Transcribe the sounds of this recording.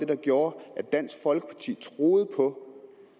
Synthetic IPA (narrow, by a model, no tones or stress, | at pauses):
d̥e̝d̥ɑ̈ɡ̥jo̝ːɐʔæd̥æn̰sɡ̥fɒ̽lɡ̥ə̥pʰɑ̈t͡sʰḭːt͡sʰʁo̝ːð̞̩ˠpʰɒ̽